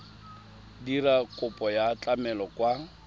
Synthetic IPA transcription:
dirakʼʊpʼɔjat͡ɬʼamɛlɔkwa

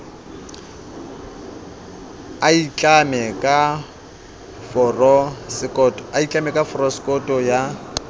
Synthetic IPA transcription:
ait͡ɬʼamɛkʼa | fɔrɔsɪkʼɔtʼɔait͡ɬʼamɛkʼafɔrɔskʼɔtʼɔja

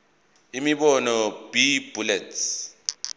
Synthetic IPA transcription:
imiɓɔnɔb̥ib̥ʱulɛtʰ

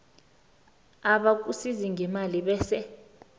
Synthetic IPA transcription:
aɓak̬usiziŋʱɛmaliɓɛːsɛ

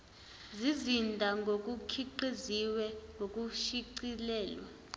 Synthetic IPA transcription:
zizindʱaŋɡʱok̬ʼukʰiǃeziwɛŋɡʱok̬ʼuʃiǀilɛːlwa

